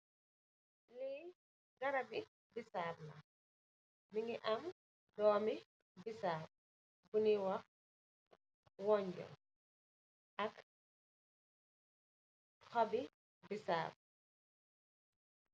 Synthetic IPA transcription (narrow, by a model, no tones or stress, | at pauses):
li | ɡɐɾɐbi | bisaːblɐ̰ | miŋiʔɐm | dɔːmi | bisaːb̚ | buniwɐ | wɔɲɟɔ̰ | ɐk | xɔbi | bisa̰ːb̚